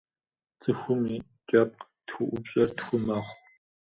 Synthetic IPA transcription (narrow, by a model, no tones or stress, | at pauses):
t͡sʼɨxʷʊmiː | t͡ʃʼɐp̚qʼtxʷʊʔʷʊbɕʼɐrtxʷʊmaːχʷ